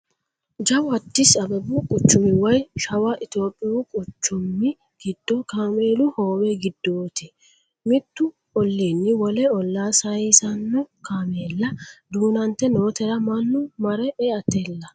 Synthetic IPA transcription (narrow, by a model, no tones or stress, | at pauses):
d͡ʒɐwɐt̪ːɪsɐbɛbukʼʊt͡ʃːʊmɪwɐjʃɐwɐʔɪt̪jo̞ːpʼːɪjuːkʼʊt͡ʃːʊmːɪ | ɡ̥ɪd̪̥ːɔkaːmeːlʊhoːwɛɡɪd̪ːoːt̪ɪ | mɪt̪ːʊ | ɔlːeːnːɪwɔlɛɔlːaːsɐisɐnːɔkaːmeːlːɐd̪uːnɐnt̪ːɛnoːt̪ɛɾɐmɐnːʊmɐɾɛʔɛɐt̪ːeːlːɐ